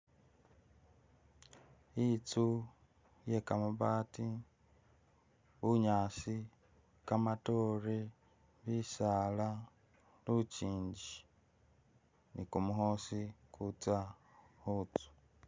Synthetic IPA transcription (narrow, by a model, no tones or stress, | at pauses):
it͡su | je̞kamuβaːti | βuɲaːsi | kamatoɾe | βisala | luuciːɲɟi | nikumuɦoːsikʰut͡sa | hut͡su̥